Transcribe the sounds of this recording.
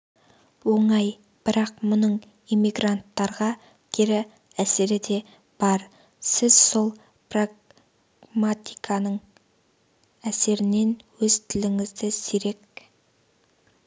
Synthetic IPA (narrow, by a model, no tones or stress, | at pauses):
wo̞ɴɑj | b̥ɪɾɑqmʊnəɴ | imiɡrant̪ːɑɾʁɑ | kʲʰɪɾɪ | æseɾɪd̪e̞ | b̥ɑɾ | sɪz̥so̞lˠ | praɡ | mat̪ijkʰɑnəɴ | æse̞ɾɪne̞nwɵzt̪ʰɪlɪŋɪzd̪ɪsiɾe̞k̚